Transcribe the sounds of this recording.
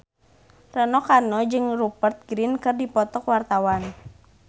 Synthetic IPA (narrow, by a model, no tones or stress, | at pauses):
rənɔkanɔd͡ʒɨŋrupərt̪̚ɡɾinkɨrdipɔt̪ɔkwart̪awan